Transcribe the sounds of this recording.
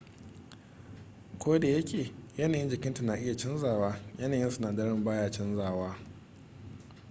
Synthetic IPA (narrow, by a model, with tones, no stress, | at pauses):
kʷoː˦da˨jɐ˦kʲʰeː˨jɐ˦naː˨jɪ˦nd͡ʒɪ˨kʲɪ˦nta˨naː˨ʔɪ˦ja˨t͡ʃɪ˦nzaː˨waː˦jɐ˦naː˨jɪ˦nsʊ˦naː˨dɐ˦ɽɪ˦mbaː˦jaː˦t͡ʃɪ˦nzaː˦˨waː˦